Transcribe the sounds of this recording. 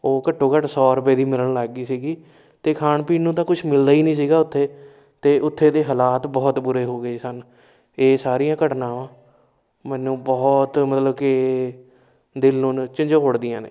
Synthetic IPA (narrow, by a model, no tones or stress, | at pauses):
oːkəʈʰːõːkəʈsɔːɾʊpeːd̪iːmɪləɳlaːɡːiːsiːɡiː | t̪eːkʰaːɳpiːnũːt̪ãːkʊt͡ʃʰmɪld̪aːiːnĩːsiːɡaːʊt̪ʰːeː | t̪eːʔʊt̪ʰːeːd̪eːɦəlaːt̪bɔːt̪bʊɾeːɦoːɡəeːsən | eːsaːɾijãːkəʈnãːʋãː | mɛ̃ːnũːbɔːt̪mət̪ləbkɪ | d̪ɪlnũːt͡ʃɪ̃ɲd͡ʒõːkʊɽd̪ɪijãːnḛː